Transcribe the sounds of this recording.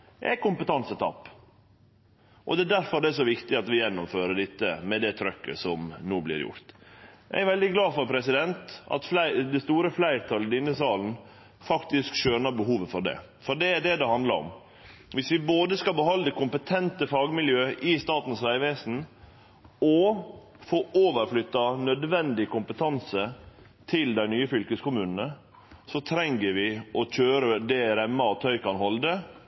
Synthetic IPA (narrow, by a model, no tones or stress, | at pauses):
æ̰ɪkʊmpət̪ɑnsət̪ʰɑ̰pː | ʔɔ̰d̪ɛːd̪æɾfɔɾd̪ɛʂ̬ɔʋɪkt̪ɪɑt̪ʋɪjɛnːɔmføːɾəɖɪt̪ːə̰mɛd̪ɛt̪ʰɾœkːə̰sɔmnuːblɪ̰ɾjʊ̰ɾt̪jæ̰æɾʋɛld̪ɪɡlɑːfɔɾpʰɾɛsɪd̪ɛnt̪ɑ̰t̪flæɪd̪ɛst̪uːɾəflæɪɾt̪ʰɑlːəd̪ɪnːəsɑːln̩ | fɑkt̪ɪskʃøːnəbəɦuːʋəfɔɾɖɛ̰ | fɔɖɛɖ̪ɛd̪ɛhɑnd̪ləɾɔ̰m | ʋɪsʋɪboːd̪əskɑlbəɦɑld̪əkʊmpət̪ʰɛnt̪əfɑːɡmɪljøːʔɪst̪ɑːt̪n̩sʋæɪʋeːsn̩ | ɔ | foːʔoːʋəɾflʏt̪ːɑnœd̪ʋɛnd̪ɪkʊmpət̪ʰɑnsə | t̪ʰɪld̪æɪnyːəfʏlkəskʊmʉːnənə | sɔt̪ʰɾɛŋəɾʋɪɔc͡çøːɾəd̪ɛɾɛmːɑɔt̪ʰœʏkɑnɦɔld̪ə